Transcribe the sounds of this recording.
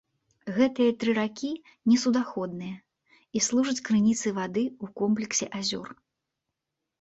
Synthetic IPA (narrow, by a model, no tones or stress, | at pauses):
ɣɛt̪ɨjɐt̪ɾɨɾakʲi | nʲɛsud̪axɔd̪̚nɨjɐ | islˠuʐɐt͡sʲkɾɨnʲit̪sɨvad̪ɨukɔmp̬lʲɛksʲɛʔazʲɔ̰r